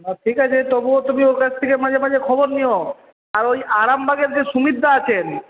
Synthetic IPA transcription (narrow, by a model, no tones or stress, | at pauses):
naʈʰikat͡ɕʰet̪obuot̪umioɾkat͡ɕʰt̪ʰekemad͡ʑʱemad͡ʑʱekʰɔboɾnio | aɾojaɾambʱaɡeɾd͡ʑeʃumid̪ʱːaat͡ɕʰen